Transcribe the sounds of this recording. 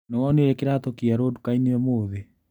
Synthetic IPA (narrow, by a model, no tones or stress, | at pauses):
newɔneɾɛkeɾatokiaɾoːdukainiwɛmoːðe